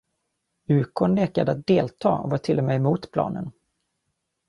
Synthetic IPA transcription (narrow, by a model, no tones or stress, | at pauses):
ʉ̟ːkʰɔnleːkad̪əat̪̚d̪eːlt̪ʰɑːɔ̰vaːʈʰɪlːɔmeːɛmuːt̪pʰlɑ̰ːnən